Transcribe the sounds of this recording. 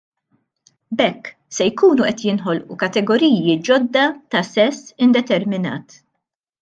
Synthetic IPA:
bɛkː | sɛjkuːnuʔɛt̪jɪnħɔlʔukɐt̪ɛɡɔɾiːjid͡ʒɔd̪ːɐt̪ɐsɛsːɪnd̪ɛt̪ɛɾmɪnɐ̰ːt̪

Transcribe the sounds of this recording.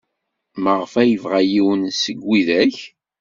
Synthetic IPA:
məʁəfæjəvʁæjiwənsəɡʷːiðæç

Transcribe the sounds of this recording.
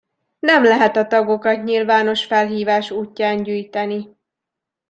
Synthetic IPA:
nɛmlɛɦɛt̪ɒt̪ɒɡo̞kɒt̪ɲilvaːno̞ʃfɛlɦiːvaːʃuːcːaːɲɟyːjt̪ɛni

